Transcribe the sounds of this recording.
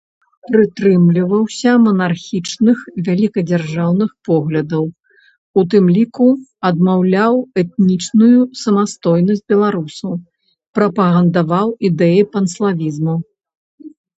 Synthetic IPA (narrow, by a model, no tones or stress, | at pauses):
pɾɨt̪ɾɨmlʲivɐwsʲɐmɐnarxʲit͡ʂnɨxvʲalʲikɐd͡zʲarʐawnɨxpɔɣlʲɐd̪ɐw | ut̪̬ɨmlʲikuɐd̪mawlʲawɛt̪̚nʲit͡ʂnujusɐmast̪ɔjnɐsʲd͡zʲbʲɛlˠaɾusɐw | pɾɐpɐɣɐnd̪avawid̪ɛjipɐnslˠavʲizmu